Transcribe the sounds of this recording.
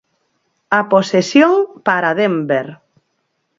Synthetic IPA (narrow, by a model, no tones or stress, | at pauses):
aposesjoŋpaɾaðembeɾ